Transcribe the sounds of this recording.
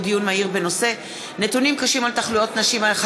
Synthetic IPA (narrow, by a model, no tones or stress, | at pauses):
dijunmaiʁbe̞no̞se̞ | ne̞t̪unimkaʃimalt̪aχlujo̞t̪naʃimaχ